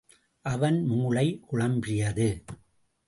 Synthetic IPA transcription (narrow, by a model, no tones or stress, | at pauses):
ʔɐʋɐnmuːɭɐɪkʊɻɐmbɪjɐðɯ